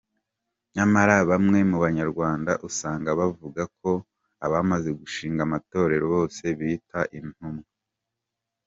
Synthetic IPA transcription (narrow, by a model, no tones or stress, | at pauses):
ɲamaɾaβamŋe̞muβaɲaɾɡwaːnda̰ʔusaːŋɡaβavuɡakʰo̞ | aβamaze̞ɡuʃiːŋɡamato̞ːɾe̞ɾo̞βo̞ːse̞βitaʔin̥humɡa